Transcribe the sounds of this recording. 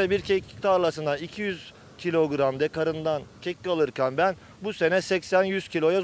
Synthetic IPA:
ɛbiɾcʰɛct̪ʰaɾlˠasɯnd̪aicʰijyz̥ | cʰilʲo̞ɡɾamd̪ɛkʰaɾɯnd̪ancʰɛckalˠɯɾcʰanbæn | buse̞nɛsɛcsænjyz̥cʰilʲo̞ja

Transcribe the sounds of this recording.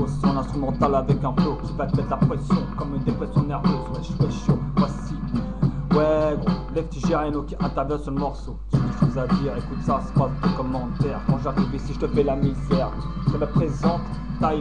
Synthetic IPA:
ossɔ̃nɛ̃st̪χymɑ̃t̪alavɛkɛ̃pokʲivat̪əmɛt̪lapχɛsjɔ̃kɔmynd̪epχɛsjɔ̃nɛʁvøzt̪asi̥spχɛsjɔ̃pwasi | wɛlɛft̪iʒeʁanokʲiʔɛ̃t̪ɛʁvjɛ̃syʁləmɔʁsosyiʃozad̪iːʁekut̪sase̥pat̪ekɔmːɑ̃t̪ɛʁkɔ̃ʒat̪ivesiʒət̪əfɛlanefɛːʁ | kələpχezɑ̃t̪ | t̪ai

